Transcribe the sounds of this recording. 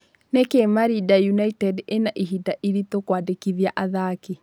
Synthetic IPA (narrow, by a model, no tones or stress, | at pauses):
nekemaɾidajunaitɛdenaʔiɦidaʔiɾitokwadekiðjaʔaðaki